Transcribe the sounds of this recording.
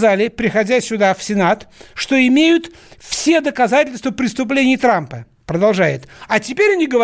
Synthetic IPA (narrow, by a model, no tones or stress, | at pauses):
zalʲɪpɾʲɪxɐdʲæsʲʊd̪afsʲɪnat̪ʂt̪o̞ɪmʲejʊt̪ | fsʲe̞d̪əkɐzatʲɪlʲst̪vəpɾʲɪst̪ʊplʲenʲɪjt̪ɾampə | pɾəd̪ɐlˠʐajɪ̰t̪ɐtʲɪpʲeɾʲɐnʲiɡəvɐ